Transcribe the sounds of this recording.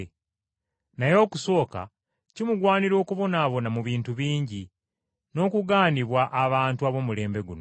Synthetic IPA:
najo̞ːkuso̞ːka̰ | cimuɡwaːniɾo̞ːkuβo̞naːβo̞namuβiːntuβiːɲɟi | no̞ːkuɡaːniβwaʔaβaːntuaβo̞ːmule̞ːmbe̞ɡuno

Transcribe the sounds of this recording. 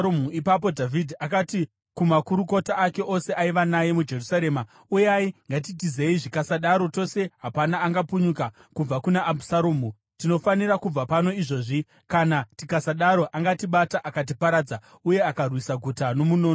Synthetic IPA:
omuipap̬o̞dʱavʱidʱiakati | kumakuɾuko̞taːke̞ʔo̞se̞ʔaiʋanaje̞mud͡ʒe̞rusaɾe̞ːma | ujaiŋɡat̬itize̞iʐikasaɗaɾo̞to̞se̞ɦapanaːŋɡapuɲuka | kub͡vakunaʔːbusaɾoːmu | tino̞faniɾakub͡vapano̞iʐo̞ːʐi | kanatikasaɗaɾo̞ʔaŋɡatiɓataʔakat̬ipaɾaːd͡za | uje̞akarwisaɡʱutano̞munoːno

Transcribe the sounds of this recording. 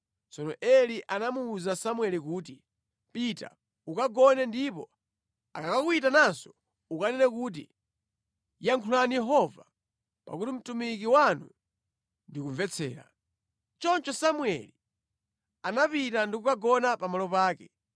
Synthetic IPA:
t͡sɔnɔʔɛliʔanamuːzasamwɛlikuːt̬i | pita̰ | ukaɡɔnɛndipɔ | akakakuitanansɔ̥ | ukanɛnɛkuːt̬ḭ | jaŋkʰulanijɛɦɔva | pa̰kutim̩tumik̬iwanu | ndikuɱvɛt͡sʰɛ̰ːɾa̰ | t͡ʃɔnt͡ʃɔsamwɛ̰li | anapitandikukaɡɔnapamalɔpaːkɛ

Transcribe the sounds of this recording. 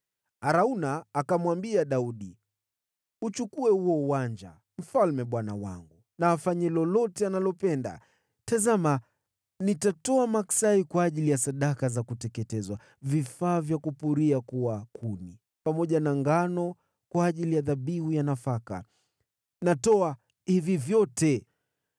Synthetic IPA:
aɾaunaːkamwambiaɗauɗi | ut͡ʃukuɛhuɔuwand͡ʒa̰ | m̩falmɛɓwana̰wa̰ŋɡu | naːfaɲɛlɔlɔtɛanalɔpɛnda̰ | tazama | nitatɔamaksaikwaːʄilijasaɗakazakutɛkɛtɛzwa | vifaːvjakupuɾiakuwakʰuni | pamɔʄanaŋɡanɔ | kwaːʄilijaðaɓihujanafaka̰ | natɔa | hivivjɔtɛ

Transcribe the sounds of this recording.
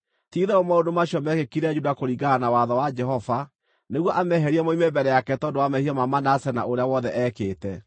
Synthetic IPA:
tiːðɛomaodomaɕjɔmɛɣekiɾɛd͡ʒudakoɾiɡanawaðɔwad͡ʒɛɦɔva | neɣwɔʔamɛɦɛɾiɛmoimebɛɾɛjakɛtɔndoamɛhiɔmamanasɛna̰oɾeawɔðɛʔɛːkeːtɛ

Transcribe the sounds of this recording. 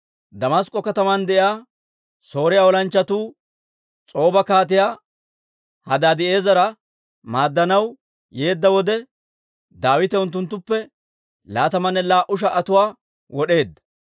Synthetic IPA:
d̪ɐmɐskʼːɔkɐt̪ɐmɐnd̪ɛʔaː | so̞ːɾɪjaɔlɐnt͡ʃːɐt̪uː | t͡sʼo̞ːbɐkaːt̪̬ɪjaː | hɐd̪aːd̪ɪʔe̞ːzɐɾɐ | maːd̪ːɐnɐw | je̞ːd̪ːɐwɔd̪ɛ | d̪aːwɪt̪ɛʊnt̪ːʊnt̪ːʊpːɛ | laːt̪ɐmɐnːɛlaːʔʊʃ̬ɐʔɐt̪ʊwaː | wɔɗe̞ːd̪ːɐ̥

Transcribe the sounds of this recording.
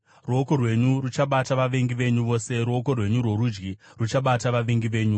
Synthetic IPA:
ruoko̞rwe̞ɲurut͡ʃaɓataʋaʋeŋɡiʋe̞ɲuʋo̞ːse̞ɾuoko̞rwe̞ɲurwo̞ɾud͡ʒɡirut͡ʃaɓataʋaʋeŋɡiʋe̞ːɲu

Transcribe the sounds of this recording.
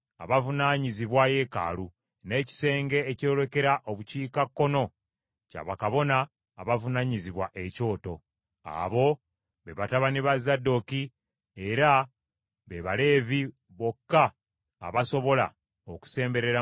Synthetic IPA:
aβavunaːɲiziβwaje̞ka̰ːlu | ne̞ːci̥se̞ːŋɡe̞ːco̞ːle̞ke̞ɾaʔo̞βuciːkakːo̞no̞ | ca̰βakaβo̞naː | βavunaɲiziβwaʔe̞co̞ːto̞ | a̰βo̞ | βe̞βataβaniβazːado̞ki | eɾa | βeβale̞ːvi | βo̞kːa̰ː | βaso̞βo̞la̰ | oku̥se̞ːmbe̞ɾe̞ɾa

